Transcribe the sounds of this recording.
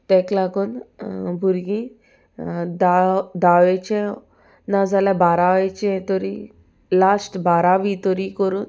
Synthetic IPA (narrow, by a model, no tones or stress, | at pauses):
t̪ɛklaɡunbʱuɾɡĩ | d̪ad̪aʋɛt͡ɕɛ̃ | nad͡zʱaljabaɾaʋɛt͡ɕɛ̃t̪ɔɾi | lasʈbaɾaʋit̪ɔɾikəɾuːn